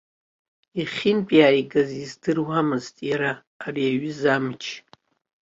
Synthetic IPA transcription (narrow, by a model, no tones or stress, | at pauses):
iχʲɪnpʼiaiɡazizdɨrwamɨztʼjaɾaː | riaɥɨzamt͡ʃʰ